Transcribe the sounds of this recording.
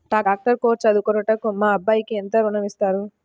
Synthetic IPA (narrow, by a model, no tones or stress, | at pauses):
ʈaːɡaːk̚ʈɐɾkɔːʋɐt͡ʃːɐd̪ukɔɾuʈɐkːumaːɐbːaːjikient̪ɐɾunɐmist̪aːɾu